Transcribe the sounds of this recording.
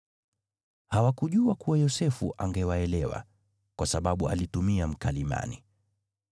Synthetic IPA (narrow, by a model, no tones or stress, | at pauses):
hawakuʄuakuwajɔsɛfṵʔaŋɡɛwaɛlɛwa̰ | kwʔasaɓaɓua̰litumiam̩kalima̰ni